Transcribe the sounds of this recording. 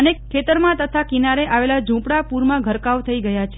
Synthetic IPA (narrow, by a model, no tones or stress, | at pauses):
ənekʰːet̪əɾmãt̪ət̪ʰakinaɾeʔaʋelad͡ʒũpɽapuɾmãɡʱəɾkaʋt̪ʰəiɡəjat͡ʃʰe